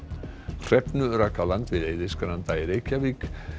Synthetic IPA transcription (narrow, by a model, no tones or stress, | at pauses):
kr̥ɛpnʏɾakʰalant̪vɪðejðɪskanant̪ajɾekʰavik